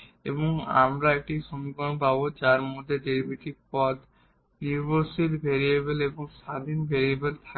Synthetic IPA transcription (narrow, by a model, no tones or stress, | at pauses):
ḛboŋa̰mɾaek̚ʈiʃomiɡɔnpabod͡ʑaɾmod̪ʱːeɖeɾbʱiʈiɾpɔd̪ | niɾbʱosit̪bʱeɾiebeleboŋʃad̪ʱinbʱeɾiebelt̪ʰa